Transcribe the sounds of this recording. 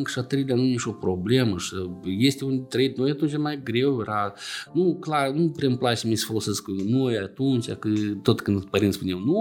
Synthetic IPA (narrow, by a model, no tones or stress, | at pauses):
ŋkʃat̪ɾejd̪ʲanunit͡ʃʲo̞pɾo̞blʲeməʂɨjest̪ʲeund̪ʲt̪ɾejd̪ʲnojat̪unt͡ʃʲamajɡɾe̞wjeɾanuklarnupɾemplat͡ʃesəmisə̥folose̞sknojat̪unt͡ʃʲa̰kɨt̪o̞t̪kɨnd̪pəɾint̪spuneawnu